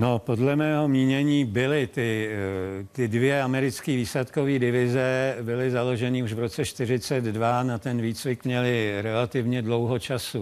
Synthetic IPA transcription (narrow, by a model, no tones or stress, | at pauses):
nopo̞dlɛmɛːɦo̞mɲiːɲɛɲiːbɪlɪt̪ɪ | t̪ɪdvjɛamɛɾɪt͡skiːviːslɛt̪koviːdɪvɪzɛbɪlɪzalo̞ʒɛnɪuʒvɾot͡sɛʃt̪ɪr̝ɪt͡sɛd̪dvanat̪ɛnviːt͡svɪkmɲɛlɪɾɛlat̪ɪvɲɛdlo̞wɦot͡ʃasu